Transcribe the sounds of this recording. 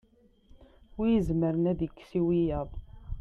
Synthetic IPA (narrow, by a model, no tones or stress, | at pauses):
ʊɾjəzməɾənæðəkːsiwijæðˤ